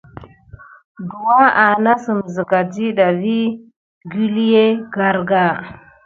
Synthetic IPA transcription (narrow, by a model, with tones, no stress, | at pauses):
du˨wa˦a˨na˦sə˨m˨zə˨ka˨d͡ʒi˦ɗa˨vi˦ | ɡi˦li˦je˦ɡa˦ɾɡa˦˨